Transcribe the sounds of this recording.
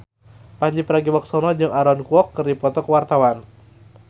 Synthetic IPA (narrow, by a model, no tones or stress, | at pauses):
paɲd͡ʒipəɾaɡiwɔk̚sɔnɔd͡ʒɨŋaɾɔnkuwɔkːərdipɔt̪ɔkəwart̪awan